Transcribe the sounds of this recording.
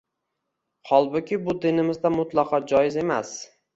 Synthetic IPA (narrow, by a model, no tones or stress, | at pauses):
hɒlˠbʊkʲʰɪbʊd̪ɪnɪmɪzd̪amʊt̪lˠɑqʰɒd͡ʒɒjɪze̞mas